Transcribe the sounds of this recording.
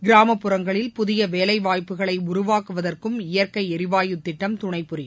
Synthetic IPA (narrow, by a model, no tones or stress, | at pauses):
ɡɪɾaːmɐpːɯɾɐŋɡɐɭɪlpʊðɪjɐʋeːlɐɪʋaːjpːɯɣɐɭɐɪʊɾʊʋaːkɯʋɐðɐrkɯmɪjɐrkɐɪɛɾɪʋaːjɯt̪ːɪʈːɐmt̪ʊɳɐɪpːʊɾɪ